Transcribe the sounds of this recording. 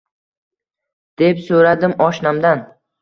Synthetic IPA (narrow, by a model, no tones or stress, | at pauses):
d̪̥e̞psoɾad̪ɪmɒʃnamd̪an